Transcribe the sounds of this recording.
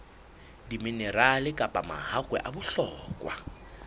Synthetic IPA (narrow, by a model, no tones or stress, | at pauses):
diminɛralɪkʼapʼama̰ɦakʼwɛ̰ʔabʊɬɔːkʼwa̰